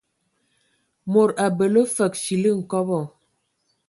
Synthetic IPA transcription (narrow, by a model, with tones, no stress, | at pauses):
mo˨ɾa˨bə˨lo˦fə˨k̚ʃi˨li˦ŋ̩˨kɔ˦bɔ˦˨